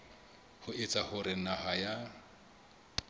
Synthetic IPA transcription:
hʊɪt͡sʼahʊɾɪnaɦaja

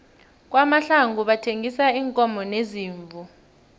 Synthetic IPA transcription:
k̬ʼwamaɬaŋuɓatʰeŋʱisaiːŋkʼɔmɔneziːɱvʱu

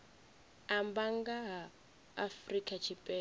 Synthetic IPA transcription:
ambaŋɡaɦaː | frikʼat͡ʃʰipʼɛ

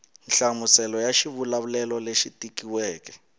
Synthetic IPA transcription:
nɬamusɛlɔjaʃiβulaβulɛlɔleʃitikiwɛːkɛ̥

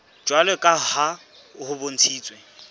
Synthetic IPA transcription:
d͡ʒwalɛkʼaha | hʊbon̩t͡sʰiːt͡sʼwe

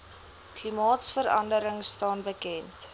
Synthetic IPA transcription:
klimɑːtsfəɾɐ̰ndəɾəŋstɑːnbəkɛnt

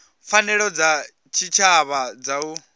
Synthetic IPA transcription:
fanɛɺɔd͡za | t͡ʃʰit͡ʃʰaβad͡zau

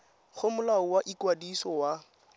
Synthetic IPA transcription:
k͡xʰʊmʊlaʊwaʔikwadisɔwa

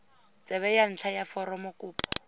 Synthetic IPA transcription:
t͡sʼɛβɛjan̩t͡ɬʰajafɔɾɔmɔkʼʊːpɔ̥

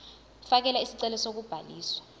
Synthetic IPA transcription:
fak̬ɛlaisiǀɛlɔsok̬ub̥ʱaliːswḁ

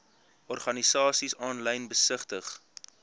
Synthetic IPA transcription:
ʔɔrχɐnisɑːsisɑːnlɛjnbəsəχtəχ

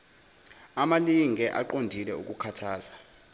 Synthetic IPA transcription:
amaliŋɡʱɛʔaǃondʱilɛṵk̬ʼukʰatʰaːz̥a

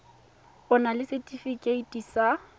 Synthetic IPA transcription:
ʊnalɪsɛtʼifikʼeitʼisa

